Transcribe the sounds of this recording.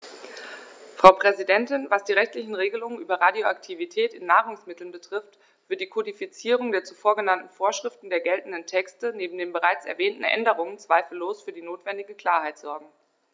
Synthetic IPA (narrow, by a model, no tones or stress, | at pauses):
fʁ̥aʊpʁ̥ɛzidɛntɪnvasd̥iːʁɛçtlɪçn̩ʁeːɡəlʊŋənʔyːbɐʁadjoa̰ktʰivitʰɛːtɪnːaːʁʊŋsmɪtl̩nbətʁ̥ɪft | v̥ɪɐt̚d̥iːkʰodifit͡siːʁ̞ʊŋdeːɐt͡sufoːɐɡənantn̩foːɐʃʁ̥ɪftn̩deːɐɡɛltn̩dəntʰɛkstəneːbm̩deːnbəʁaɪt͡sɛ̰ɐvɛːntn̩ʔɛ̰ndəʁ̞ʊŋənt͡sv̥aɪfl̩loːsfyːɐdiːnoːtv̥ɛndɪɡəkl̥aːɐhaɪtz̥ɔɐɡŋ̩